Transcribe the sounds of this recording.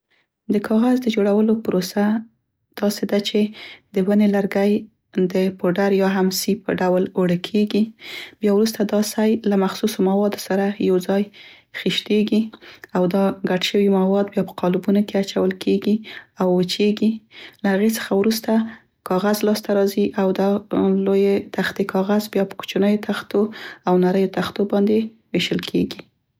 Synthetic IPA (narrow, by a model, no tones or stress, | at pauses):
d̪əkʰɑɣazd̪əd͡ʒoɽawəlopʊɾosa | d̪̥ɑsed̪at͡ʃed̪əwənelaɾɡaj | d̪əpoɖaɾjɑɦamsipə̰ɖawloɽəkʰeɡibjɑwɾus̬t̪ad̪ɑsajlamaxsusomawɑd̪osaɾajawd͡zɑj | xiʃt̪eɡiawd̪ɑɡaʈʃəwimawɑd̪bjɑpə̥qɑlubunokeat͡ʃawəlkʰeɡiawːət͡ʃeɡilahaɣet͡sə̥xawɾust̪a | kɑɣazlɑst̪aɾɑziʔawd̪alojet̪axt̪ekʰɑɣazbjɑpə̥ku̥t͡ʃunəjot̪axt̪oawnaɾəjot̪axt̪obɑnd̪e | weʃəlkʰeɡi